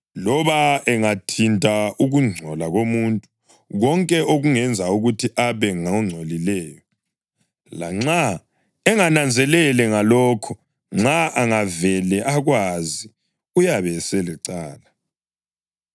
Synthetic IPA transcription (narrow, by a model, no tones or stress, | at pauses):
lɔβaɛŋatʰintʼauɣuŋ͡ǀʱɔlaɣomuntʼu | ɣɔŋkʼɛoɣuŋɛnd͡zʱauɣutʰiʔaβɛŋaŋ͡ǀʱolilɛːjɔ | laŋ͡ǀa | ɛŋanand͡zʱɛlɛlɛŋalɔːkʰɔ | ŋ͡ǁaʔaŋavɛlɛʔaɣwazi | ujaβɛsɛlɛǀaːla